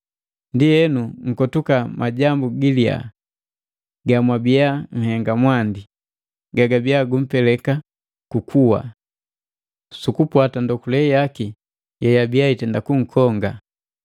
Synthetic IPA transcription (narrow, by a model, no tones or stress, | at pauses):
ndijɛnuŋ̩kɔtukamʔaɟambuɡilia̰ | ɡamwabijaŋ̩hɛŋɡamwandi | ɡaɡabiaɡum̩pɛlɛka | kukʰuwa̰ | sukupwatandɔkulɛjaki | jɛjabiaitɛndakuŋ̩kʰɔŋɡa